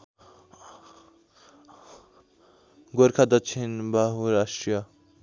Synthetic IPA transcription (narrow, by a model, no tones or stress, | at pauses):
ɡoɾkʰad̪ʌt͡ʃʰinbaɦuɾasʈɾijʌ